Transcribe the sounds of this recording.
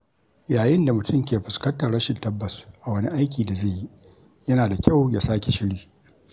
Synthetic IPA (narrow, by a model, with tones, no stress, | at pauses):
jaː˨jɪ˦nda˨mʊ˨tʊ˦mk̬ʲeː˨ɸʊ˨skɐ˦ntɐ˨ɽɐ˦ʃɪ˨ntɐ˦bːɐ˨sʔa˨wɐ˦ni˦ʔa˦jk̬ʲiː˨da˨ze˦˨jːi˦ | jɐ˦naː˨da˨kʲa˦˨wjaː˦saː˦kʲe˨ʃɪ˦ɽiː˨